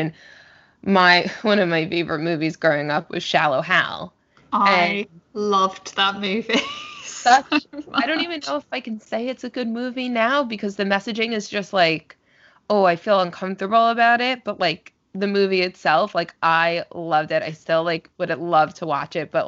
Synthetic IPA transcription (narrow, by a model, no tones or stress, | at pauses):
ɨ̃n | maɪwʌ̃ñʌvmaɪfeɪvə̰˞ɨt̚mʉvizɡɹoʊɪ̃ŋʌp̚wɨ̰z̥ʃælˠoʊɦa̰lˠ | aɨ̃ɪlʌvðət̚mʉvisʌt͡ʃɪɾõʊ̃ntivɨ̃nːoʊəfaɪkn̩seɪɨtsɨɡʊd̚mʉvinaʊbɨkʰʌzðɨmɛsɨd͡ʒɪ̃ŋɨzd͡ʒʌst̚ˡlaɪk | oʊaɪfilˠʌ̃nkʰʌ̃ɱftə˞bl̩ˠəbaʊɾɪt̚b̥ʌt̚laɪk̚ | ðɨmʉviɨtsɛlˠflaɪkʔaɪlʌvdɨɾa̰ɪstɪlˠlaɪkwʊɾɨlʌv̥tʰəwɑ̰t͡ʃɪt̚b̥ʌ̰ʔ